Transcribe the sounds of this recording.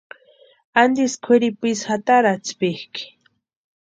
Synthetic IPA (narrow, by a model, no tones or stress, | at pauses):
and̪iskʰeɾipisxat̪aɾat͡spihki̥